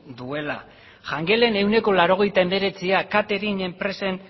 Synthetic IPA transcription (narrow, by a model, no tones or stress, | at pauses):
d̪ue̞la̰ | ʝaŋɡe̞le̞ne̞wne̞ko̞laɾo̞ɣ̞e̞jt̪ae̞me̞ɾe̞t͡siakat̪e̞ɾiɲe̞mpɾe̞se̞n